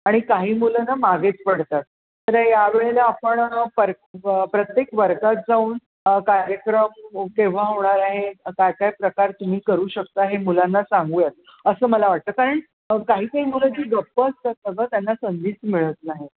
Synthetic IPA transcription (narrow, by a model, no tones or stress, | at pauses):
aɽ̃ikaɦiːmulənamaɡet͡spəɽt̪at̪̚ | t̪əɾəjaʋeɭelaapəɳpəɾ | pɾət̪jekʋəɾɡat̪̚d͡zauːn | kaɾjəkɾəmkẽʋ̤aɦoɳ̃aɾaɦekajkajpɾəkaɾt̪um̤iːkəɾuːɕəkt̪əɦemulanːasaŋɡuːjet̪̚ | əsəːməlaʋaʈ̚t̪əːkaɾəɳ | kaɦiːkaɦiːmuləd͡ʑiːɡəpːəəst̪ət̪nəɡət̪janːasənd̪iːt͡smiɭət̪̚naɦi